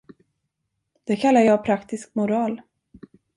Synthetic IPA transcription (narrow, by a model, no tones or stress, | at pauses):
d̪̥ɛkʰalːaɾjɑːpʰɾakt̪ɪskmʊɾɑːl